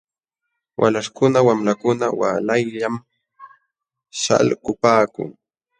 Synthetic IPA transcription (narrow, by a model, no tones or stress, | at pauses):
wʔa̰laʂkʊnawamlakʊnawa̰lajʎam | ʃa̰lɢʊpaːkʊ̰ŋ